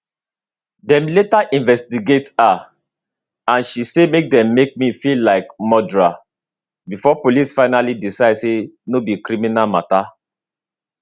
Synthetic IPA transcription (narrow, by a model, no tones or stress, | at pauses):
dɛ̃mletaʔĩnvɛstiɡeta | ãnʃisemek̚dɛ̃mːek̚mifillaɪkmɔdɹa | bifɔpolisfaɪnalidisaɪdsenobikɾiminalmata